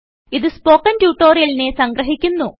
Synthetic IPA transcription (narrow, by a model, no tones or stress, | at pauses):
iðɨspo̞ːkːɐntjuːʈːo̞ːɾijɐlinesɐŋɡɾɐɦikʲːunːu